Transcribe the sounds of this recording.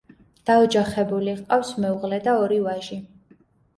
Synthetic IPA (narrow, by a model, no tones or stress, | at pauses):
d̪̥aɔd͡ʒaχɛbuliqʼafsmɛuʁlɛd̪aɔɾiwaʒi